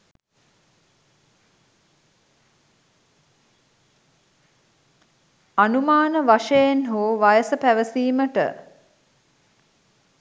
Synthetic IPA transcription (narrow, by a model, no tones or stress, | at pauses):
anumaːnəʋaʃəjenɦoːʋajəsəpæʋəsiːməʈə̰